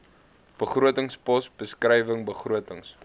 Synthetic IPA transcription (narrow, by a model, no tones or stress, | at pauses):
b̥əχruətəŋspɔsbəskrɛjvəŋbəχruətəŋs